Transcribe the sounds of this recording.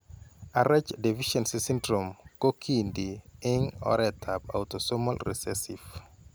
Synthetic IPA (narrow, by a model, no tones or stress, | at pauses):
aɾad͡ʒdɛviʃɔnsisĩndɾɔmkokʰindiɪŋɔ̰ɾɛtʰapa̰wtɔsɔmɔlɾɛ̰sɛsif